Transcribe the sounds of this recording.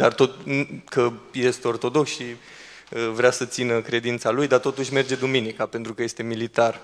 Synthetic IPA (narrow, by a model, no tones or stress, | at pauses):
d̪art̪o̞t̪kəje̞st̪eo̞rt̪o̞d̪o̞ksi | əvɾeasət̪sinəkɾe̞d̪int̪salujd̪art̪o̞t̪uʃʲme̞rd͡ʒe̞d̪uminikape̞nt̪ɾukəje̞st̪e̞milit̪ar